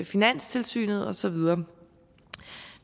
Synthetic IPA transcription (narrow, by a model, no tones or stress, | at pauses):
efinæn̰st͡sʰe̝lsy̰ːnð̩ˠɒ̽sɒ̽ʋið̞ˠɐː